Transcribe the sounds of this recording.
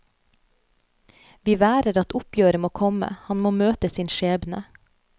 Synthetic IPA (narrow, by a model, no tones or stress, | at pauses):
ʋiːʋæːɾəɾɑt̪ʊpjøːɾəmoːkʰɔmə̰hɑnmoːmøːt̪əsiːnʃeːbnə